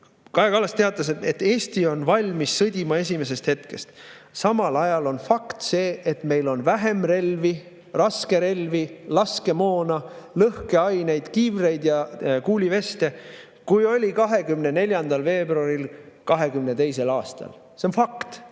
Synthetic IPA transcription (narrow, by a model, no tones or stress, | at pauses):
kɑekɑlːɑst̪eɑt̪ˑːɑs̬eet̪ːe̞ːsʲt̪io̞nvɑlʲmisːɤd̪̥ʲimɑe̞s̬ʲime̞s̬e̞st̪het̪ke̞st̪sɑmɑlɑjɑlo̞nfɑkt̪se̞ːet̪me̞jlo̞nvæɦe̞mre̞lvi | rɑske̞ɾe̞lvilɑske̞mo̞ːnɑlɤhke̞ɑjne̞jd̪̥kivre̞jd̪̥jɑkuːlʲive̞st̪e̞ | kujo̞lʲikɑɦe̞kymnene̞lʲjɑnd̪ɑlve̞ːbruɑɾilkɑɦe̞kymne̞t̪e̞js̬e̞lɑːst̪ɑ̰l | seonfɑkt̪